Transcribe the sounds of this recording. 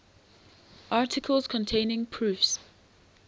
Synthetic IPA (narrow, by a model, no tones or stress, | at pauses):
ʔɑːˑtʰɪkʰəlˠz̥kʰɔ̃ntʰẽɪnɪ̃ŋpʰɹ̥ʉːˑfs